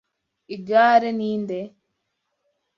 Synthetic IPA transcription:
id͡ʒaːɾeniːnd̪e

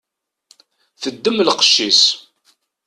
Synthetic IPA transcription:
θəd̪ːəmlqə̥ʃːis

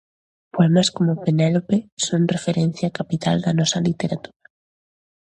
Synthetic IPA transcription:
poɛmaskomʊpenɛlopesoŋrefeɾɛn̟θjakapit̪ald̪ɐnɔsɐlit̪eɾat̪uɾa

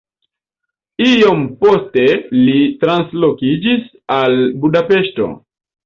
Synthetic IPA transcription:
iompo̞ste̞litɾanslo̞kid͡ʒis | albudape̞ʃto̞̰

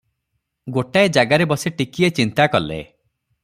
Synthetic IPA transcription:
ɡoʈaed͡ʒaɡaɾebɔsiʈikiet͡ʃint̪akɔlḛ

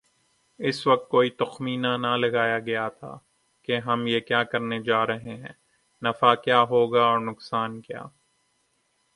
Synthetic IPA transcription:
ɪsʋɐk̚t̪̚koːit̪ʊxmiːnanɐlɐɡaːjaɡɐjat̪ʰa̰ː | keɦɐmjekjaːkɐɾned͡ʒaːɾɐɦeɦɛ̃ː | nɐfaːkjaːɦoːɡaɔːɾnʊksaːnkja̰ː

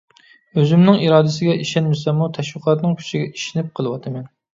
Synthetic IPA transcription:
øzymnɪŋiɾɑːd̪ɪsɪɡʲɛʔiʃɛnmɪsɛmːut̪ʰɛʃwəqʰɑt̪nɨŋkʲʰy̥t͡ʃʰiɡʲɛʔi̥ʃinɪp̚qʰəlˠɨwɑt̪ʰɨmɛn

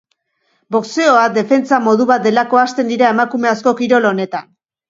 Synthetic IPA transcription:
bo̞kse̞o̞ad̪e̞fe̞nt͡samo̞ðuβat̪̚d̪e̞lako̞ast̪e̞nd̪iɾaemakume̞asko̞kiɾo̞lo̞ne̞t̪an

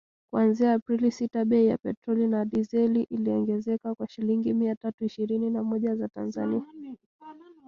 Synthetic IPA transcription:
kwanziaːpɾilisitaɓɛija̰pɛtɾɔlinaɗizɛliʔiliɔŋɡɛzɛkakwaʃiliŋɡimiatatuiʃiɾininamɔʄazata̰nzania

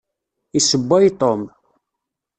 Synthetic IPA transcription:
isəbːæjt̪ˤom

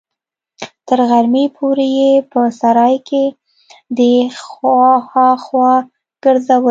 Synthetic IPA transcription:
t̪əɾɣaɾmepʰoɾejepəsaɾɑjkʰe | d̪ə | xɑxwɑ | ɡ̥əɾzawə

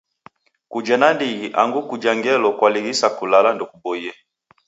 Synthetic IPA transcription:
kud͡ʒɛnandiɣiʔa̰ŋɡukud͡ʒaŋɡɛlɔkwaliɣisakulalandɔkubɔjɛ

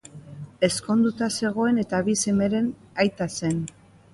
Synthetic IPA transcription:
e̞sko̞nd̪ut̪ase̞ɣ̞o̞e̞ne̞t̪aβise̞me̞ɾe̞n | ajt̪ase̞n

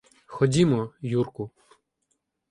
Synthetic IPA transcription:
xɔdʲimɔjurkʊ

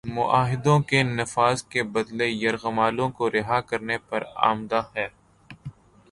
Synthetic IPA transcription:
mʊʔaːɦɪd̪õkenɐfaːzkebɐd̪lejɐɾɣəmaːlõkoɾɪɦakɐɾnepɐɾa̰ːmd̪ahɛː

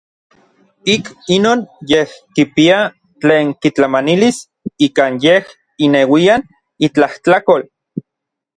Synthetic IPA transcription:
ikinoːnjehkipia | t͡ɬeːŋkit͡ɬamanilis | ikaːnjeh | inewian | it͡ɬaht͡ɬakol

